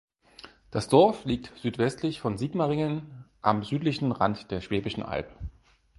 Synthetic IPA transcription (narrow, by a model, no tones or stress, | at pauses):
d̥asd̥ɔɐfliːk̚tz̥yːtv̥ɛstʰlɪçfɔnziːkmaʁɪŋənʔamzyːtlɪçn̩ʁa̰ntd̥eːɐʃv̥ɛːbɪʃn̩ʔa̰lpə